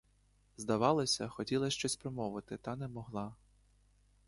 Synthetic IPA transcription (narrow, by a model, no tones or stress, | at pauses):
zd̪ɐʋɑlˠɐsʲɐxɔtʲilˠɐʃt͡ʃɔsʲpɾɔmɔʋɪt̪ɪt̪ɑnɛmɔɦlˠɑ